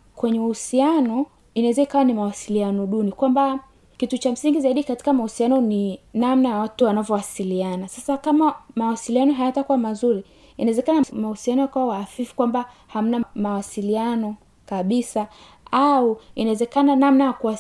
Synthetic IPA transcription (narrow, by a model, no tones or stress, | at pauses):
kwɛɲɛuhusianɔ | inawɛzaikawanimawasilianɔɗunikwamba | kitut͡ʃam̩siŋɡizaiɗikati̥kamahusianɔninamnajawatuwanavɔwasilianasasakamamawasilianɔɦajatakuwamazuɾi | inaɛzɛkanamahusianɔjakawawaːfifu̥kwambaham̩namawasilianɔ | kaɓisa | auinawɛzɛkananamnajakuwa